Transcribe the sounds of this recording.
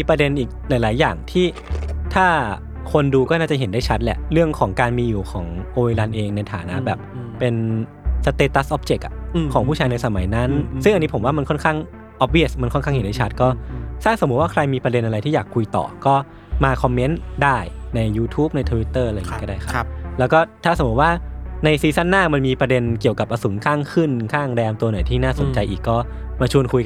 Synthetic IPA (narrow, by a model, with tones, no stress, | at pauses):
miː˧pɾa˧de˧nʔiː˨˩k̚laː˨˦jlaː˩˦jːaː˨˩ŋt̪ʰiː˥˩ | t̪ʰaː˥˩ | kʰo˧nduː˧kɔː˥˩naː˥˩t͡ɕa˨˩ɦe˩˦nda˥˩jt͡ɕʰa˦˥t̪̚lɛ̰˨˩ʔɾɯ˥˩əŋkʰɔː˩˦ŋkaː˧nmiː˧juː˨˩kʰɔː˩˦ŋʔoː˧i˧la˧nʔeː˧ŋna˧jt̪ʰa̰ː˩˦na˦˥ʔbɛː˨˩p̚pe˧n | sa˧t̪eː˧t̪ːa˦˥sʔɔ˦˥p̚t͡ɕe˨˩k̚ʔa̰˩˧kʰɔː˩˦pʰuː˥˩aː˧jna˧jsa˧ma˨˩˦jna˦˥nsɯ˥˩ŋa˧nːi˦˥pʰo˩˦waː˥˩a˧nkʰɔ˥˩nkʰaː˥˩ŋ | ʔɔ˦˥p̚wi˥˩sma˧nkʰɔ˥˩kʰa˥˩ŋhe˩˦da˥˩t͡ɕʰa˦t̪̚kɔː˥˩saː˥˩so˩˦mu˦˥waː˥˩kʰɾa˧jmiː˧pɾa˧de˧nʔa˧ɾa˧jt̪ʰiː˥˩jaː˨˩kʰːu˧jt̪ɔ̰ː˨˩kɔː˥˩ | maː˧kʰɔ˧mːe˦˥ndaː˥˩jna˧jːuː˧t̪ʰuː˦˥p̚na˧jt̪ʰəː˧wi˦˥t̪ːɤː˥˩ʔa˧a˧jʰːi˦˧˦kːɔ˥˩daː˥˩jkʰa˥˦˧lɛ˦˥wkɔː˥˩t̪ʰaː˥˩so˩˦mu˦t̪̚waː˥˩na˧jsiː˧sa˥˩nːaː˥˩ma˧nmiː˧pɾa˧de˧nki˨˩əwka˨˩p̚ʔa˧su˩˦nkʰaː˥˩ŋkʰɯ˥˩nkʰaː˥˩ŋdɛː˧mt̪u˧nɔ˨˩jt̪ʰiː˥˩naː˥˩so˩˨˦nt͡ɕa˧jʔiː˨˩kːɔː˥˩ | maː˧t͡ɕʰu˧ənkʰu˧j